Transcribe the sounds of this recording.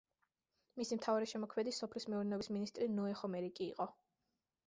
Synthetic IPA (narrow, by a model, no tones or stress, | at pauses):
misimt̪ʰavaɾɛʃɛmɔkʰmɛd̪isɔpʰlismɛuɾnɛɔbisminist̪ʼɾinɔɛχɔmɛɾikʼḭːqʼɔ